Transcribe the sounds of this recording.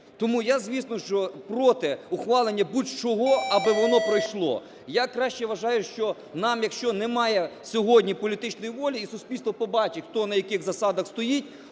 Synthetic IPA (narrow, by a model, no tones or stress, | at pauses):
t̪ɔmujazʲʋʲisnɔʃt͡ʃɔpɾɔt̪ɪʊxʋɑlˠenʲːɐbutʲt͡ʃɔɦɔɐbɪʋɔnɔpɾɔjʃlˠɔ̰ | jakɾɑʃt͡ʃɛʋɐʒɑjʊʃt͡ʃɔ | nɑmjɐkʃt͡ʃɔnɛmɑjɛsʲɔɦɔdʲnʲipɔlʲit̪ɪt͡ʃnɔjiʋɔlʲiːsʊsʲpʲilʲst̪ʋɔpɔbɑt͡ʃɪxt̪ɔnɐjɐkɪxzɐsɑd̪ɐxst̪ɔjitʲ